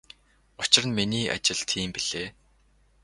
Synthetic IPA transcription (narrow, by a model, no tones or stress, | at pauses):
ʊt͡ɕɪ̆rə̆nminiːʔa̰t͡ɕɪ̆ɮt̪ʰiːmpiɮ̥eː